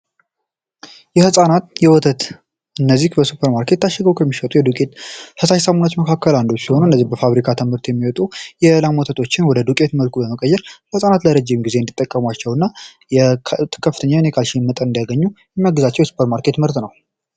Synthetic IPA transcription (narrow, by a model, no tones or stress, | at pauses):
jɛhɨsʼanat̪jɛwɔt̪ʰət̪ | ʔɨnːəzːihbəsupʰːəɾmaɾkʰe̞t̪ːaʃːɛɡəwkʰəmːiʃət̪ʼujɛd̪ukʼe̞t̪həsaʃsəmonat͡ʃːməkʰakːəland̪o̞t͡ʃːsiho̞nuɨnːəzːihbəfaβɾikʰat̪ʰɨmhɨɾt̪jɛmːiwɔt̪ʼujɛlamwɔt̪ʰət̪ʰo̞t͡ʃːɪnwɔd̪əd̪ukʼe̞t̪məlkʰubəməkʼəjːɛɾhɨsʼanat̪ləɾəd͡ʒːɪmɡize̞ɨnd̪it̪ʼːəkʼːəmat͡ʃːɛwɨnːa | jɛ̥kʰəfɨt̪ʰəɲːanekʰalʃimːət̪ʼənɨnd̪ijaɡəɲːujɛmːaɡɨzat͡ʃːɛwjɛsu̥pʰəɾmaɾkʰe̞t̪mɨɾt̪nəw